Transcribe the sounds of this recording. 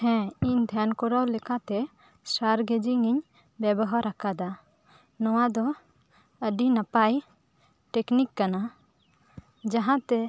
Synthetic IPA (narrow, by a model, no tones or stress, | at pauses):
hɛ̃iɲd̪ʱjankɔɾawlɛkat̪ɛ | saɾɡed͡ʒiŋiɲ | bɛbɔɦaɾakad̪a | nɔw̃ad̪ɔ | əɖinapaj | ʈeknikːana | d͡ʒaɦãt̪ɛ